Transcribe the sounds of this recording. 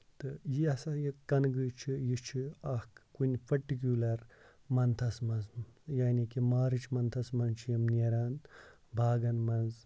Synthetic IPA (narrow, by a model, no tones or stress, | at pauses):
t̪ɨjiɐsɐjikɐnɡɨt͡ʃʰijit͡ʃʰiɐhkkunʲpʰɐʈik̬ʲulɐɾ | mɐnt̪ʰɐsmɐnzjaːnikimaːɾɨt͡ʃʰmɐnt̪ʰɐsmɐnt͡ʃʰijɐmneɾaːnd̪ | bʱaːɡɐnmɐnz